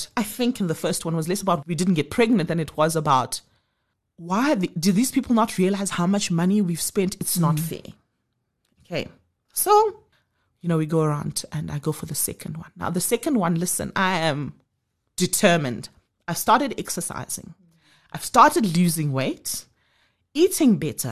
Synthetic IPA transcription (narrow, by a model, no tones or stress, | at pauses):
aɪθɪ̃ŋkɨ̃nðəfɜ˞stwãnwʌzlɛsəbaʊt̚widɪdⁿn̩ɡɛt̚pʰɹ̥ɛɡnə̃nt̪̚ðɨ̃nɨtʰwʌzəbaʊt | waɪðidɨðiːz̥pʰipl̩ˠnətʰɹiəlaɪz̥haʊmat͡ʃmaniwiv̥spɛ̃ntɨtsnɔtfɛ̰ | okʰeɪ | so | jɨnoʊwiɡoʊəɹãʊ̃ndɨ̃na̰ɪɡoʊfəðəsɛ̰kʰə̃nd̚wã̰nːa̰ʊðəsɛkə̃nd̚wãnlɪsə̰̃na̰ɪɨ̃m | d̥ɨtʰɜːmɨ̃nd | aɪv̥stɑɹɾɨdɛksəsa̰ɪz̥ɪ̰̃ŋ | ʔaɪv̥stɑɹɾədluːzɪ̃ŋweɪt | itɪ̃ŋbɛtʰə̰